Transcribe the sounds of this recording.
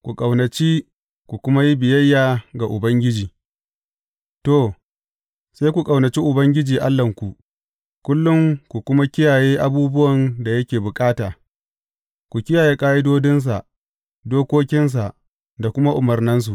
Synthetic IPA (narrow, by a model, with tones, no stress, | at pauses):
kʷu˨kʼa˨wnɐ˨t͡ʃi˦ | kʷu˨kʷʊ˦ma˦ji˦bɪ˨jɐ˦jːaː˨ɡa˨ʔʊ˨bɐ˦ŋɡʲɪ˦d͡ʒiː˨ | to˦˨ | sa˦jkʷu˨kʼɐ˨wnɐ˨t͡ʃi˦ʔʊ˨bɐ˦ŋɡʲɪ˦d͡ʒiː˨ʔa˦lːɐ˨ŋkʷu˨ʔ | kʷʊ˦lːʊ˦ŋkʷu˨kʷʊ˦ma˦kʲɪ˦jaː˨jeː˦ʔa˦buː˦bʊ˦wɐ˨nda˨jɐ˦kʲeː˨bʊ˨kʼaː˦taː˨ | kʷu˨kʲɪ˦jaː˨je˦kʼaː˦ji˦doː˦dɪ˦ns̬a˨ʔ | doː˦kʷoː˦kʲɪ˦ns̬a˨ʔ | da˨kʷʊ˦ma˦ʔʊ˨mɐ˨rnɪ˦ns̬u˨ʔ